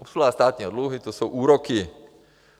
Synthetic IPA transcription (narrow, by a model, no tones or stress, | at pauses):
ɔpsulaːst̪aːt̪̚ɲiɔd̪luɦit̪ɔsuʔuːɾɔki